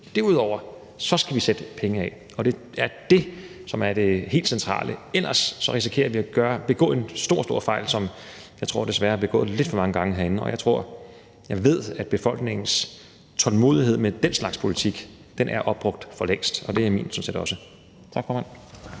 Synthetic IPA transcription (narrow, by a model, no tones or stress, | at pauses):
d̥eɐuð̰ˠɒʊ̰ɐ | sɒ̽sɡ̥æʋised̥əpʰeŋəɛ | ɒ̽d̥e̝ | æɐd̥e̝sɒ̽mæɐɾ̥e̝he̝̰ːld̥sent͡sʰʁɑ̰̈ːlʔəelɐsːɒ̽ʁisi̥kʰe̝̰ːɐʋiæɡ̥ɶːɐb̥e̝ɡ̥ɔ̰ːe̝nsd̥o̝ɐ̰sd̥o̝ɐ̰fɑ̈ɪ̰lsɒ̽m | jɑ̈ɪt͡sʰʁo̝ɐ̰d̥e̝sʋæːɐɐb̥e̝ɡ̥ɔ̰̽ːð̩ˠle̝d̥fɒ̽mɑ̈ŋəɡ̥ɑ̈ŋəɦeæɐe̝n̩ɒ̽jɑ̈ɪt͡sʰʁo̝ɐ̰ | jɑ̈ɪʋe̝ð̞̰ˠæd̥̚b̥e̝fɒ̽l̰ɡ̥ne̝ŋ̰n̩s | t͡sʰɒ̽lmo̝̰ːðˠiɦe̝ð̞̰ˠmed̥enslɑ̈ɡ̥spʰo̝lit͡sʰiɡ̥ | d̥enʔæɐʔɒ̽b̥̚ʁɔ̽ɡ̥̚d̥fɒ̽leŋ̰sd̥ɒ̽d̥e̝æimḭːnsɒ̽msedɒ̽sə | t͡sʰɑ̈ɡ̥fɒːmæn̰